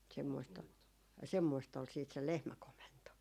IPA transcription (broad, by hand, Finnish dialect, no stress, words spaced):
semːoist ol semːoist ol siːt se lehmækomento